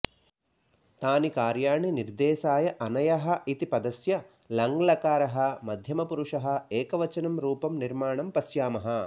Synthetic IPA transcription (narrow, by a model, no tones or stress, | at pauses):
t̪aːnikaːɾjaːɳiniɾd̪eːsaːjɐʔɐnɐjɐɦɐ̆it̪ipɐd̪ɐsjɐ | lɐŋɡlɐkaːɾɐɦɐ̆mɐd̪ʱjɐmɐpuɾuʂɐɦɐ̆eːkɐʋɐt͡ʃɐnɐmɾuːpɐmniɾmaːɳɐmpɐsjaːmɐɦɐ̆